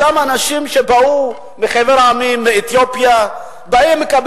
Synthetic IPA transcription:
amanaʃimʃebau | miχeveʁaːmimːeːt̪jopja | baimːekab

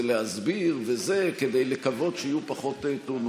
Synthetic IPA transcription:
lehazbiʁvezeked̪ejlekavo̞dʃeijupaχo̞t̪et̪on

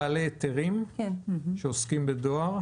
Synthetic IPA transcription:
alet̪eʁim | ʃeoskimbed̪oaʁ

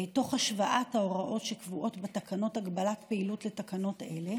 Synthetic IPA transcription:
eto̞χhaʃvaʔathaoʁaʔo̞tʃekvuʔo̞tbetakano̞taɡbalatpeilutletakano̞te̞le̞

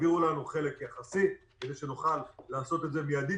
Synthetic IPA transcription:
viʁulanuχe̞le̞kjaχasibed̪ejʃe̞nuχalːaːso̞t̪e̞tze̞mijad̪i

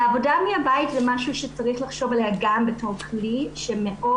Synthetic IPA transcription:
eavo̞damiabaitzemaʃuʃet͡saʁiχlaχʃo̞valeaɡambeto̞ʁkʰliʃemeʔʔo

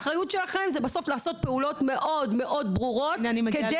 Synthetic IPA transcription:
χʁajut̪ʃelaχemzebasoflaːso̞t̪̚pe̞ulo̞t̪me̞ʔodmeʔo̞d̪bʁuʁotnanimked̪e

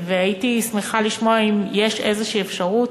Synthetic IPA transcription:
veajitismeχaliʃmoaimjeʃezeʃiːefʃaʁut

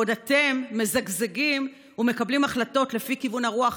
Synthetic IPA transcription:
odate̞mːe̞zaɡzeɡim | ume̞kablimaχlato̞tle̞fikivunhaʁuaχ

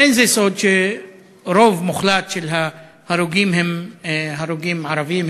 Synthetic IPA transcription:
enzesod̪ʃe | ɾovmuχlat̪ʃelɦa | haɾuɡimɦemɦaɾuɡimʕaɾaviim

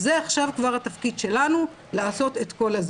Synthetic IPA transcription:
ze̞aχʃavkvaʁhat̪afkid̪ʃe̞lanu | laːso̞t̪e̞t̪ko̞laz

